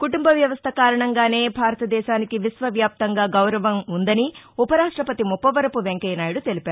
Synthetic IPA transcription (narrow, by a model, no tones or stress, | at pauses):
kuʈumbɐʋjɐʋɐst̪ʰɐkaːɾɐɳɐŋɡaːne̞ːbʱaːɾɐt̪ɐd̪ɛːʃaːnikiʋisʋɐʋjaːp̚t̪ɐŋɡaːɡɐwɾɐʋɐmund̪ɐniupɐɾaːʂʈɾɐpɐt̪imupːɐʋɐɾɐpuʋeŋkɛjnaːjuɽut̪elipæːɾu